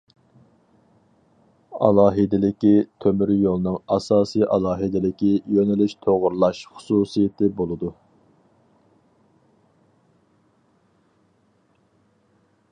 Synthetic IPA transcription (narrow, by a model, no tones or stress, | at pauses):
ɑ̰lˠɑːɦɪd̪ɪlɪkʲit̪ʰømyɾjolˠnɨŋɑsɑːsɨjʔɑlˠɑːɦɨd̪ɪlɪkʲijønɪlyʃt̪ʰoʁʊɾlˠɑʃχʊ̥suːsijet̪ʰɪbolˠɨd̪u